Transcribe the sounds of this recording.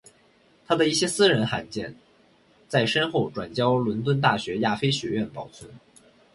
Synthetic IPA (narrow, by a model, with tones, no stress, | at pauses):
t̪ʰa˥d̪ə˨i˥˩ɕjɛ˥sɹ̩˥ɻə˧˥nxa˧˥nt͡ɕjɛ˥˩n | t͡sa˥˩ɪʂə˥nxo˥˩ʊʈ͡ʂwa˨˩nt͡ɕjɑ˥ʊlwə˧˥nt̪wə˥nt̪̬a˥˩ɕɥɛ˧˥ja˥˩fe˥ɪɕɥɛ˧˥ɥɛ˥˩npɑ˨˩ʊt͡sʰwə˥n